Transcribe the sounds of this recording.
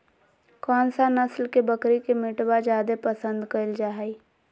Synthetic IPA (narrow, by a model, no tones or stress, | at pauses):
kɔːnsanɐslkebəkɾikemɪʈwad͡ʒjaːd̪epəsə̃nd̪kəld͡ʒaːɦi